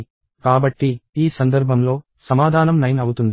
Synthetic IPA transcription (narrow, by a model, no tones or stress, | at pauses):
kaːbɐʈːiiːsɐnd̪ɐɾbʱɐmlo̞ː | sɐmaːd̪ʱaːnɐmnɐjnɐwut̪und̪i